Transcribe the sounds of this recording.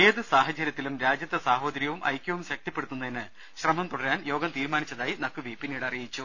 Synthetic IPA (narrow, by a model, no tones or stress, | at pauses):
eːðɨsaːɦɐt͡ɕɐɾjɐt̪ːilumɾaːd͡ʑjɐt̪ːɐsaːɦo̞ːdɐɾjɐʋumʔɐ̰jkʲːjɐʋumɕɐk̚t̪ipːeɽut̪ːunːɐðenɨ | ɕrɐmɐmt̪uɽɐɾaːnjo̞ːɡɐmt̪iːɾmaːnit͡ɕːɐðaːjinɐkːuʋipinːijɽeɐrijit͡ɕːu